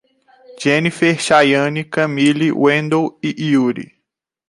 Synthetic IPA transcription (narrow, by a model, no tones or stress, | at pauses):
d͡ʒenifeɾʃajɐ̃nikɐ̃miliwẽnd̪owiʔiuɾḭ